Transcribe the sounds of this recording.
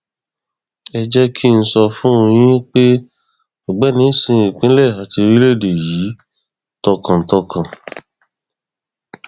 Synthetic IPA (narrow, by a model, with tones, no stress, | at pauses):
ɛ˧d͡ʒɛ˧kʰi˦˧n̩˧sɔ˧fũ˦o˧j̃ĩ˦k͡pe˦ | o˨ɡ͡bɛ˨˦nĩ˨˦sĩ˧i˨k͡pĩ˨˦lɛ˦˨a˨ti˧ɾi˦le˦˨de˨ji˨˦ | tɔ˧kã˨n̩˨tɔ˧kʰã˨